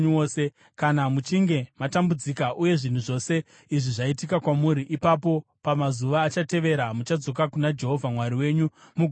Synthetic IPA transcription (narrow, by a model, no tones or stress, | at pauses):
oːse | kanamut͡ʃiŋɡe̞matambud͡zikaʔuje̞ʐin̤uʐo̞ːse̞ | iʐiʐaitikakwamuɾiʔipap̬o̞ | pamazuʋaːt͡ʃate̞ʋe̞ɾamut͡ʃad͡zo̞kakunad͡ʒe̞ɦo̞vʱamwaɾiwe̞ːɲumuɡʱ